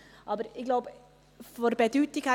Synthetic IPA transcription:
ʔɑːbəɾɪɡlaʊbə | fɔɾbɛd̪ʉt̪ːɪkhæ

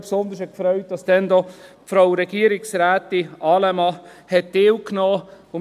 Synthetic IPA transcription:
psond̪əʃɛkfɾœʏt̚d̥ɑsd̥ɛndɔpfɾawɾɛɡ̥iəɾɪksɾæːt̪ːɪʔɑːlɛmɑhɛt̚dɪwknɔː | ʊ

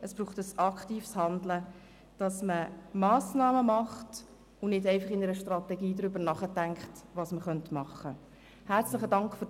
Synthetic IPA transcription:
əsb̥ɾuːχtəsɑkχtiːfshɑndlə | d̥ɑsməmɑːsnɑːməmɑχt | ʊnɪdɛɪfɑχɪnəɾəʃtrɑtɛɡiːdɾʏbəɾnɑχətæŋkχtʋɑsməχœntmɑχːə | hæɾt͡slɪχədɑŋkχfʏ

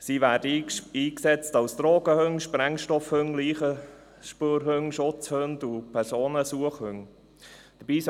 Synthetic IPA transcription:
siʋæːɾdəiːksɛt͡stɑwsd̪̥ɾoːɡ̥əhɵŋʃpɾɛŋʃtɔfhɵŋliːχə | ʃpøːɾɦɵŋʃʊt͡shøndʊpʰɛɾsoːnəsuəχhɵŋ | d̥əb̥iːs

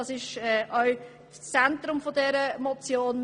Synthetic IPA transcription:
ɑsɪʃɛːʔœʊ | t͡sɛntɾʊmfodɛɾəmɔt͡sjoːn

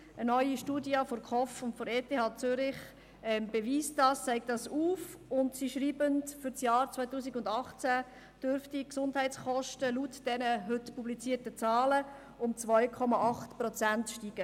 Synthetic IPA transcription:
ʔənœʏiʃtuːdiɑfɔɾkʰɔfʊntfɔɾeːtʰehɑːt͡sʏɾɪχ | ɛmb̥eʋiːsdɑːst͡sɛɪk̚tdɑsuːfʊntsiʃɾiːbəntfʏɾt͡sjɑːɾt͡svœɪtuːsiɡʊndɑχt͡sæ | d̥øɾftiksʊndɦɛɪt͡sχɔʃtəlutd̥ɛnəɦɵtpublit͡siːɾtət͡sɑːlə | ʊmt͡svœʏkʰɔmɑʔɑχtprɔt͡sæntʃtiːɡ̥ə

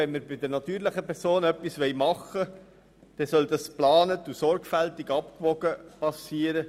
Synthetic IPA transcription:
ɛnməɾbɪd̪əɾnɑt̪yːɾləχəpɛɾsoːnœpːisʋɛɪjmɑχːə | d̥ɛsœld̪ɑsplɑːnət̪usɔɾɡfælt̪iɡɑp̚kvɔɡ̥əpɑsiːəɾə

